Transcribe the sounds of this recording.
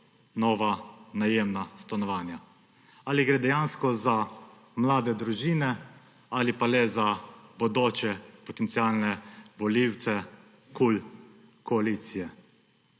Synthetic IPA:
nɔːʋanajeːmnast̪anɔʋaːnja | aliɡɾeːd̪ɛjaːnskɔza | mlaːd̪ɛd̪ɾuʒiːnɛ | alipalɛzabɔd̪oːt͡ʃɛpɔt̪ɛnt̪siaːlnɛbɔliwt̪sɛ | kul | kɔaliːt̪sijɛ

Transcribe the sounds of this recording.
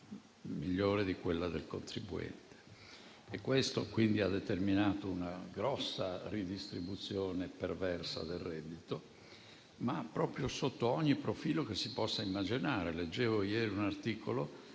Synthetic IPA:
miʎːoːɾed̪ikwelːad̪elko̰nt̪ɾibuɛ̰nt̪e̥ː | kːwest̪okwind̪iad̪ːet̪erminaːt̪ounaɡɾɔsːarid̪ist̪ɾibut̪sjoːnepervɛrsa̰d̪elːɛd̪ːit̪o | mapːɾɔːpɾjosot̪ːoɔɲːipɾofiːlok̟esːipɔsːaimːad͡ʒinaːɾeled͡ʒːeːvojɛːɾiunart̪iːkʰolo

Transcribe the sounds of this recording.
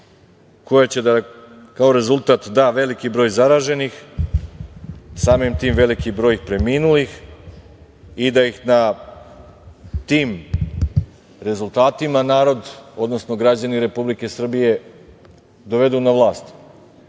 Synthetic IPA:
ko̞jat͡ɕe̞d̪a | kao̞ɾe̞zulˠt̪at̪d̪aʋe̞likibɾo̞ːjzaɾaːʒe̞nix | saːmimt̪iːmʋe̞likibɾo̞jixpɾe̞miːnulix | id̪ajixna | t̪iːm | ɾe̞zulˠt̪aːt̪imanaːɾo̞d̪o̞d̪no̞sno̞ɡɾad͡ʑaniɾe̞publike̞sr̩bije̞ | d̪o̞ʋe̞d̪unaʋlˠaːst̪

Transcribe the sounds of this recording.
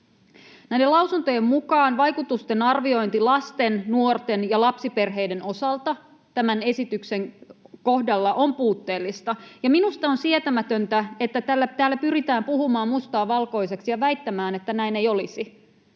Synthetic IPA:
næjdelɑwsunt̪o̞jemmukɑːnʋɑjkut̪ust̪e̞nɑrʋio̞jnt̪ilɑst̪e̞nnuo̞rt̪e̞njɑlɑpsipe̞rɦe̞jde̞no̞sɑlt̪ɑ | t̪æmæne̞sit̪ykse̞ŋko̞hdɑlːɑʔo̞mpuːt̪ːe̞ːlːist̪ɑjɑminust̪ɑonsiet̪æmæt̪ø̞nt̪æe̞t̪ːæt̪ælːæt̪æːlːæpyrit̪æːmpuhumɑːmmust̪ɑːʋɑlko̞jse̞ksijɑʋæjt̪ːæmæːne̞t̪ːænæinejo̞lisi

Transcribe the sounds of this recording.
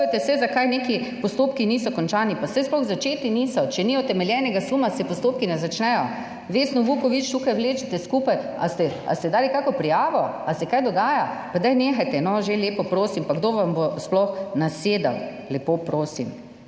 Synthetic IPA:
t̪ɛsɛzakajneːkipɔst̪oːpkiniːsɔkɔnt͡ʃaːnipasɛjsplɔɣzat͡ʃeːt̪inisɔt͡ʃɛniːjɔt̪ɛmɛljɛnɛɡasumasɛpɔst̪oːp̚kinɛzat͡ʃnɛjɔ | ʋeːsnɔʋukɔʋit͡ʃt̪uːkajʋleːt͡ʃit̪ɛskuːpaja̰st̪ɛa̰st̪ɛd̪aːlikakɔpɾijaːʋɔasɛkajd̪ɔɡaːjapad̪ajneːxajt̪ɛnɔʒeleːpɔpɾoːsimpaɡd̪oːʋambosplɔxnaseːd̪a̰w | lɛpoːpɾoːsim

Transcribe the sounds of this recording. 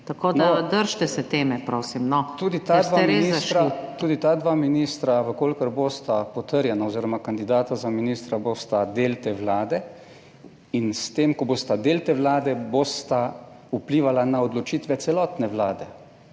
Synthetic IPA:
t̪akoːdnad̪əɾʃt̪ɛsɛt̪eːmɛpɾoːsimnɔt̪uːd̪it̪ad̪ʋaɛmɾienistʃɾat̪uːd̪it̪aːd̪ʋaːminist̪ɾaʋəkolkəɾboːst̪apɔt̪əɾjɛnaoziːɾɔmakand̪id̪aːt̪azaminist̪ɾaboːst̪ad̪eːlt̪eːʋlaːd̪ɛ | inst̪eːmkɔboːst̪ad̪eːlt̪eːʋlaːd̪ɛboːst̪a | upliːʋalanaɔd̪lɔt͡ʃiːt̪ʋɛt̪sɛlɔːt̪nɛʋlaːd̪ɛ

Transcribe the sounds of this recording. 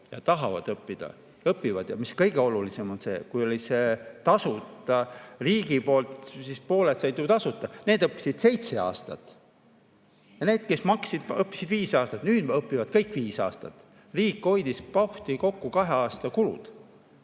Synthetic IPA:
jɑ̰t̪ɑɦɑvɑ̰d̪̥ɤpːid̪̥ɑ̰ | ɤpːivɑd̪̥jɑ̰miskɤjɡ̥e̞o̞lulise̞mo̞nse̞ːkujo̞lʲise̞t̪ɑsut̪ːˑɑriːɡipo̞ːlt̪sispo̞ːlest̪ːɑjt̪uːt̪ɑsut̪ːˑɑne̞ːd̪ɤpːˑi̥sid̪̥se̞jt̪se̞ɑ̰ːst̪ɑt̪ | jɑne̞ːd̪̥̚ke̞smɑksid̪̥ɤpːi̥sid̪viːsɑːst̪ɑt̪nyːd̪̥ɤpːivɑd̪̥̚kɤjkːˑviːsɑ̰ːst̪ɑ̰t̪ | riːkːo̞jd̪̥ispɑwht̪iko̞kːukɑɦe̞ɑːst̪ɑkulṵd̪̥

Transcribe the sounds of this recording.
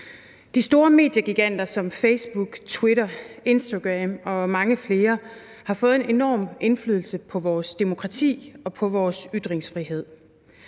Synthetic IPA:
d̥isd̥o̝ːɐme̝̰ːd̥jəɡ̥iɡ̥æn̰d̥ɐsɒ̽mfeɪsb̥uɡ̥t͡sʰweɾɐe̝nsd̥aɡ̥ʁɛmɒ̽mɑ̈ŋəfle̝ːɐ | hɑ̈fɔ̽ːð̞̩ˠe̝ne̝nɒ̰ːmʔe̝nfly̰ːð̞ˠl̩səpʰɒ̽ʋɒːsd̥emo̝kʰʁɑ̈t͡sʰḭːɒ̽pʰɒ̽ʋɒːsyd̥ʁeŋsfʁiɦe̝ð̞̰ˠ

